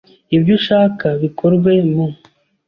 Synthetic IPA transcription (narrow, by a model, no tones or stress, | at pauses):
ibɟuʃaːkaβikoɾɡwe̞mu